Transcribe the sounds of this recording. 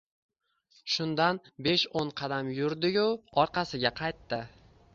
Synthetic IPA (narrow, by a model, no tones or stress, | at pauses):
ʃʊnd̪anbe̞ʃoɴqʰɑd̪amjʊɾd̪ɪjʊɒɾqʰɑsɪɡʲaqʰɑjt̪ːɪ